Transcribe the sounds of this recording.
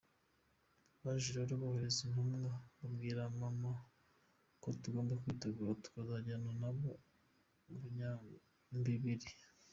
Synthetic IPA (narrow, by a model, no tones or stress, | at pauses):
βaʒiɾaβaɾiβahoɾezinamŋaβabɡiːɾamama | kotuɡo̞ːmbekwiːteɡuːɾatu̥kazaɟananaβo | buɲa | mbiβiɾi